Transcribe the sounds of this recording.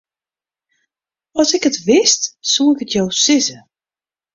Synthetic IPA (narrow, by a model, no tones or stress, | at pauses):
ɔsɪkətʋɪstsuɪkətʰjowsɪzə